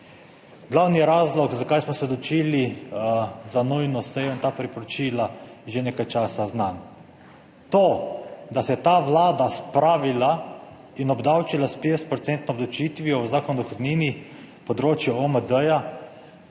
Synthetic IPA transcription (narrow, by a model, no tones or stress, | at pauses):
ɡ̥lawnijɛɾaːzlɔkzakajsmɔsɛd̪ɔt͡ʃiːli | zanujnɔsɛjɔint̪aːpɾipɔɾɔt͡ʃiːlaʒeneːkajt͡ʃaːsaznan | t̪oːd̪asɛjɛt̪aːʋlaːd̪aspɾaːʋila | inɔbd̪awt͡ʃilaspest̪pɾɔt̪sɛnt̪nɔɔd̪lawt͡ʃiːt̪ʋijɔʋzaːkɔnɔd̪ɔxod̪niːni | pɔd̪ɾoːt͡ʃjɛoməd̪əja